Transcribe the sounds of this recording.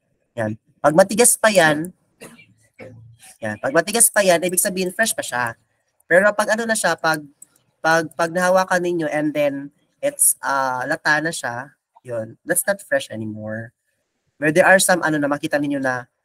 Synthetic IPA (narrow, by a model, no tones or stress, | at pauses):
ja̰n | pɐɡ̚mɐt̪ɪɡaspɐjan | ja̰npɐɡ̚mɐt̪ɪɡaspɐjanʔiːbɪɡ̚sɐbiːhɪnfɹɛʃpɐʃa | pɛːɾo̞pɐɡʔɐno̞nɐʃapɐɡ̚ | pɐɡ̚pɐɡ̚nɐhawakɐnɪɲo̞ʔɛnd̪ɛn | ʔɪt̪sʔalɐt̪aːnɐʃa | jond̪ɐt̪snɐt̪fɹɛʃʔɛnɪmoɹ | wɛɹd̪ɛɹʔaɹsɐmʔɐ̰no̞nɐmɐkiːt̪ɐnɪɲjo̞nɐ